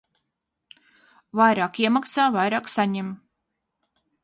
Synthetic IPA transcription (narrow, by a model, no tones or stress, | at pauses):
vajɾaːkiɛmaksaːvajɾaːksaɲem